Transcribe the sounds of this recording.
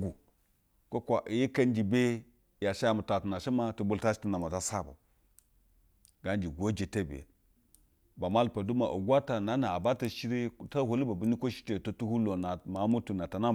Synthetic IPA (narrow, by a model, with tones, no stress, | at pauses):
ɡu˨ | ko˦kʷa˨ʔji˦ka˦nd͡ʒi˨be˦ | ja˨ʃa˦ja˨mu˨ta˨tu˨na˨ʃi˦ma˦tu˨bu˦˨lta˦ʃi̥˦i˦na˨ma˨ta˦sa̰˦˨ba̰˨ | ɡa˨nd͡ʒi˨ɡʷo˦d͡ʒe˨te˦bḛ˨ | ba˨ma˦lpa˨du˦ma˨ʔṵ˨ɡʷa˦ta˨na˨˦na˨a˨ba˦ta˨ʃi˦ɾi˦ta˦ho˨li˦ba˨bi˨˦ni˦ko˦ʃi̥˦te˨to˦tu˦hu˦lo˨na˨ma˨˦mu˦tu˨na˨ta˨na˦˨